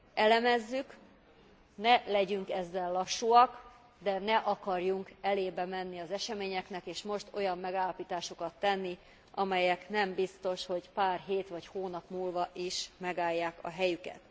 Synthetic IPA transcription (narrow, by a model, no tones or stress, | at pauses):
ɛlɛmɛzːyk | nɛlɛɟyŋkɛzːɛlːɒʃːuɒk | d̪ɛnɛʔɒkɒrjuŋkɛleːbɛmɛnːiɒzɛʃɛmeːɲɛknɛkeːʃmo̞ʃt̪o̞jɒmːɛɡaːlːɒpiːt̪aːʃokɒt̪ːɛnːi | ʔɒmɛjɛknɛmbist̪o̞ʃho̞ɟpaːrɦeːt̪ʋɒchoːnɒpmuːlvɒʔiʃmɛɡaːjːaːkɒ̰ɦɛjykɛ̰t̪